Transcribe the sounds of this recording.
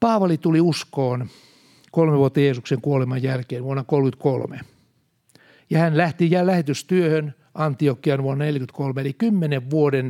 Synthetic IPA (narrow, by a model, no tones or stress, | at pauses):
pɑːʋɑlit̪uliuskoːn | kolmeʋuot̪ːɑjeːsukseŋkuolemɑjjælkeːnʋuonːɑkolkyt̪kolmḛ | jɑhænlæht̪ijæːlæhet̪yst̪yøhøn | ɑnt̪iokːiɑnʋuonːɑnelʲkyt̪kolmeelikymːeneʋʋuoden